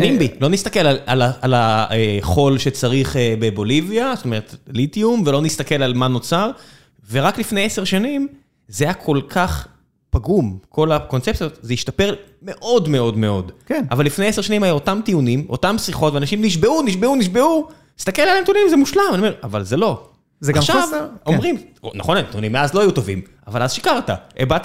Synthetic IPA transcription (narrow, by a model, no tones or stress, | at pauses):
imbilo̞nist̪ake̞lalalaalaeχo̞lʃet͡saʁiχebebo̞liviazotome̞ʁetlitiumvelo̞nist̪ake̞lalmano̞t͡saʁ | ve̞ʁaklifnejese̞ʁʃanim | zeajakʰo̞lkʰaχ | paɡumkʰo̞lako̞nt͡sep̚totzeiʃtape̞ʁ | me̞ʔo̞dme̞o̞dme̞o̞dkena̰valːifnejese̞ʁʃanimhajuotamt̪iunimo̞̰tamsʁiχo̞tveanaʃimniʃ̬be̞uniʃbeuniʃbe̞unist̪akelalemt̪ijunimzemuʃlamaniomeavalzelo̞ | zeɡaʃavomʁimonaχonemt̪iunimːeazlo̞ajut̪o̞vim | avalazʃikaʁta̰ebat